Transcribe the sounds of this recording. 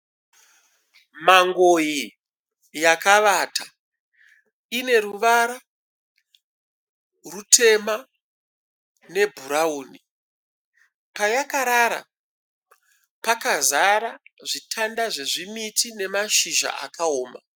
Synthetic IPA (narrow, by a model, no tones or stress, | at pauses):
maŋɡoji | jakaʋatʰa | ine̞ɾuʋaɾa | rutʰe̞ma | ne̞bʱuɾauːni | pajakaɾaɾa̰ | pakazaɾaʐitʰandaʐe̞ʐimitine̞maʃiʒa̰ʔa̰kaoːma̰